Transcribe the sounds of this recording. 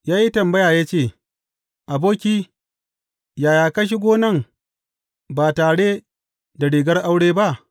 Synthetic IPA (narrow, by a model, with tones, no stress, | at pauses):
jaː˦ji˦tɐ˨mbɐ˦jaː˨jaː˦t͡ʃeː˦˨ | ʔa˨boː˦kʲiː˦ | jaː˨jaː˨kɐ˦ʃ̬i˦ɡʷoː˦nɐ˦˨ŋ | baː˨taː˨ɽe˦ | da˨ɽiː˨ɡɐ˦rʔa˦wɽeː˦ba˦ʔ